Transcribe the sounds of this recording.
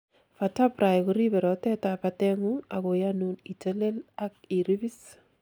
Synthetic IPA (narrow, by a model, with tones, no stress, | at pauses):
fa˨tapɾa˨jko˦ɾi˦bɛ˨ɾɔ˨tɛ˦ta˨patɛ˦ŋu˦a̰˨ko˨januni˨te˦le˦la˦k̚i˨ɾi˦bi˦s